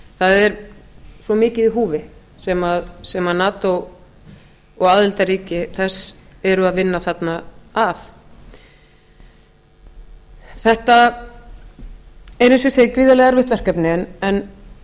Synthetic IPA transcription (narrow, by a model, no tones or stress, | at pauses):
θaðɛɾsvɔmɪːcɪðiɦuːvɪ | sɛmaðsɛmaðnaːt̪ɔ | ɔɣaːðɪlt̪aɾiːcɪθɛsːɛɾʏaðvɪnːaθat̪naaf | θɛht̪a | ɛɾɪnsʏseːjkɾiːðalɛɣaɾvɪht̪vɛr̥kɛpnɪnɛn